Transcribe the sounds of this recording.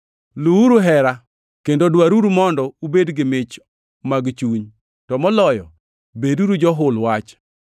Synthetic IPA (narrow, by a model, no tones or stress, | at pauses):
luuɾuɦɛɾa | kendodwaɾuɾumɔndɔubedɡɪmɪt͡ʃ | maɡt͡ʃuɲ | tɔmɔlɔjɔ | beduɾud͡ʒɔɦʊlwat͡ʃ